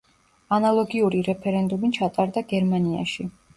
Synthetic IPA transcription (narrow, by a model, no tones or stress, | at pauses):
analˠɔɡiuɾiɾɛpʰɛɾɛnd̪umit͡ʃʰat̪ʼaɾd̪aɡɛɾmania̰ʃi